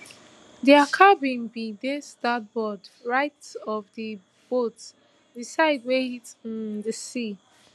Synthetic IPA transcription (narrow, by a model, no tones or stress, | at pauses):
diakʰabĩnbidestat̚bɔdɹaɪtɔvdə | b̥ot | disaɪdweitĩndəsi